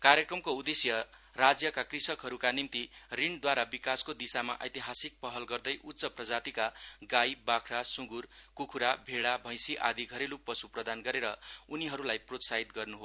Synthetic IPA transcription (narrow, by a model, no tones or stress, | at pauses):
karjʌkrʌmkoud̪esjʌ | rad͡zjʌkakrisʌkɦʌɾukanimt̪iriɳd̪waɾabikaskod̪isama̰ʔʌ̰jt̪iɦasik̚pʌɦʌlɡʌrd̪ʌjʔut̪ːsʌprʌd͡zat̪ikaɡajbakʰɾasuɡurkukʰuɾabʱeɽabʱʌj̃siʔad̪iɡʱʌɾelupːʌsuprʌd̪anɡʌɾeɾʌuniɦʌɾulajprot̪saɦit̪̚ɡʌrnuɦo